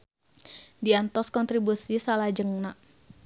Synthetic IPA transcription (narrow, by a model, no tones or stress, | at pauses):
diant̪ɔskɔnt̪ɾibusisalad͡ʒəŋnaʔ